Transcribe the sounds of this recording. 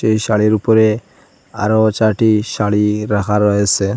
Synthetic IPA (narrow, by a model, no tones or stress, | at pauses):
ejʃaɭiɾupoɾe | a̰ɾot͡ʃaʈiʃaɽiɾakʰaɾɔjesʰe